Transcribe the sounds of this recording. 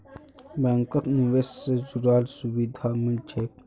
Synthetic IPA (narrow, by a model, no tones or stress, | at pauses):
baŋkɐt̪niʋesːezuɾaːlsuwid̪ʱaːmilt͡ʃʰeːk